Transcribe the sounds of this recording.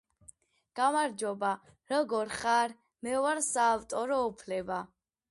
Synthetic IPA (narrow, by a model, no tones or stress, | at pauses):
ɡ̥amaɾd͡ʒɔba | ɾɔɡɔɾχaɾ | mɛɔwaɾsaːvt̪ʼɔɾɔupʰlɛba